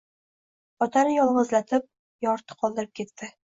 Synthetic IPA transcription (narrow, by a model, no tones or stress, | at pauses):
ɒt̪aɾəjɒlˠʁɤ̆zlæt̪ɘp̚ | jɒɾt̪ɤ̥qʰɒlˠd̪ɤɾəp̚kʲit̪ːɘ